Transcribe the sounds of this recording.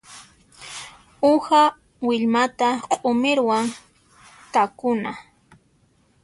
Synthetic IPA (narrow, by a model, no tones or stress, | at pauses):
ʊha | wɪʎmat̪aqʼʊmɪɾwaŋ | kakʊna